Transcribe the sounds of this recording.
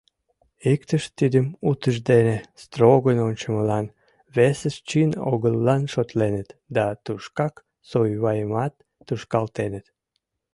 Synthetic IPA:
ikt̪əʃt̪id̪əmut̪əʒd̪enest̪roɣənonʲt͡ɕəməlɑn | βesəʃt͡ɕino̰ɣəlːɑnʃot̪lenət̪d̪ɑt̪uʃkɑk | sojβɑjəmɑt̪ːuʃkɑlt̪enət̪

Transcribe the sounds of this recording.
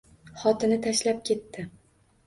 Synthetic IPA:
χɒt̪ʰɪnɪt̪ʰaʃlap̚kʲʰe̞t̪ːɪ

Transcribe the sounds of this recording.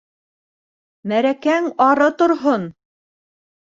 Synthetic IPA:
mæɾækæŋɑɾɤt̪ŏɾɦon

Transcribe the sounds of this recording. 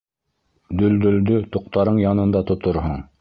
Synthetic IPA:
d̪ɵ̆ld̪ɵ̆ld̪ɵt̪ŏq̚t̪ɑɾɤɴjɑnɤ̆nd̪ɑt̪ŏt̪oɾɦoɴ

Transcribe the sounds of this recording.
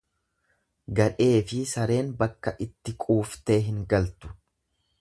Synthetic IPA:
ɡɐᶑe̞ːfɪsɐɾe̞ːnbɐkːɐʔɪt̪ːɪkʼuːft̪e̞ːɦɪŋɡɐlt̪ʊ̥

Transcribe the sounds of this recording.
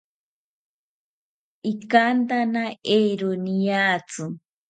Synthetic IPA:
ikant̪anaejɾunijat͡sɨ

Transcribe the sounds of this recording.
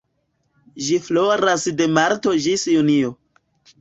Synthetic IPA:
ʒifloɾasde̞maɾto̞d͡ʒisjunio

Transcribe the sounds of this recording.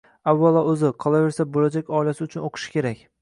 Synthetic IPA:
avːalˠɒɵzɪqʰɒlˠave̞ɾsabolad͡ʒakʲɒɪilasɪʊt͡ʃʰʊnoqʰɨ̥ʃɪ̥kʲʰe̞ɾakʲ

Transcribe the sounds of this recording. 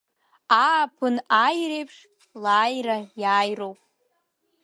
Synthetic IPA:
apʰɨnajrejpʰʂ | laːjrajaːjrowpʼ

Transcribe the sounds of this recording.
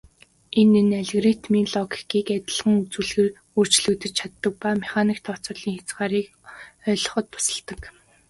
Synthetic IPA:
enenæɮɣrit̪ʰminɮɔɡi̥kiːkæt̪ʲɪ̆ɮʁə̆ŋut͡sŭːɮɣĕːr | ur̥t͡ɕɮŭːt̪ɘ̆t͡ɕt͡ɕʰat̪ːə̆k̚pameχaniːkt̪ʰɔt͡sʊːɮ̥iːŋxat͡sɢaːɾiːk | œːɮɞ̆χɞ̆t̪̚pʰʊ̥sə̆ɮt̪ə̆k

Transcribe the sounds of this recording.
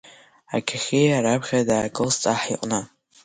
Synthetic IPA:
a̰kʲʰaχʲejaɾabʁʲadaːkʼɨlst͡sʼaħiqʼna

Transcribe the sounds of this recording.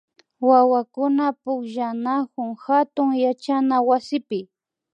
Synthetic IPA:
wawakʊnapʊkʒanakʊŋhat̪ʊŋjat͡ʃanawasɪpɪ

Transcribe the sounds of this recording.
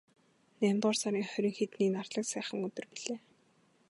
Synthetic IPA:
næːmʲt̪ʁʊːrsaɾʲiːŋχœɾʲĭŋxet̪niːknartɮə̆ksæːχə̆ŋɵt̪ɵ̆rpiɮeː

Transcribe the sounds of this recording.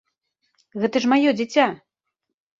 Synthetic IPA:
ɣɛt̪ɐʂmajɔd͡zʲit͡sʲa

